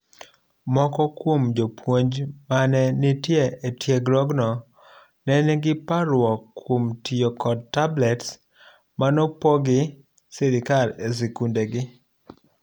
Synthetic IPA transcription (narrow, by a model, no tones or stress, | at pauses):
mɔkɔkwomd͡ʒopwoɲd͡ʒmanɛnɪtjeetjeɡlɔɡnɔ | nɛnɛɡɪpaɾwɔkːwomtʰɪjokɔd̚tːablɛts | manɔpɔɡɪ | sɪɾɪkales̬ikundeɡɪ